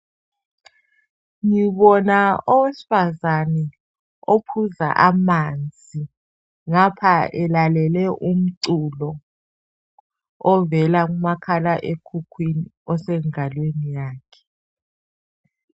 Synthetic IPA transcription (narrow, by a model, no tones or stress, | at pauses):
ŋiɓɔnaɔwesi̥fazanɛ | opʰuza̰ʔamand͡zʱi | ŋapʰaɛlalɛlɛʔum̩ǀulɔ | ɔvɛlak̬umakʰalaʔekʰukʰwiniɔsɛŋalwenijaːkʰɛ̥